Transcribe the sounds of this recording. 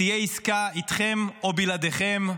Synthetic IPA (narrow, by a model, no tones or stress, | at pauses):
ijeiskait̪χemobilad̪eχem